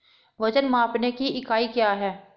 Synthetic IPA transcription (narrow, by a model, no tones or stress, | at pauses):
ʋɐd͡ʒənmãːpnekiɪkaːikjaːɦɛː